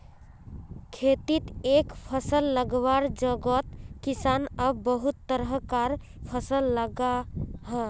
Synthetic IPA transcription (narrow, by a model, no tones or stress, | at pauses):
kʰet̪it̪ekpʰəsəlːəɡʋaɾd͡ʒəɡət̪kisanəbːəɦut̪ːəɾəɦkaɾ | pʰəsəlːəɡaɦə